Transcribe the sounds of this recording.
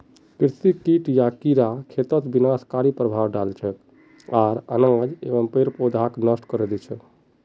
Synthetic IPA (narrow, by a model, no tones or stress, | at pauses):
kiɾsikiʈjakiɾakʰet̪ət̪binaskaɾipɾəbʱawɖalt͡ʃʰɛk̪ | aɾə̰nad͡ʒeʋəmpeɾpod̪ʱaknəsʈkəɾed̪ɛt͡ʃʰɛ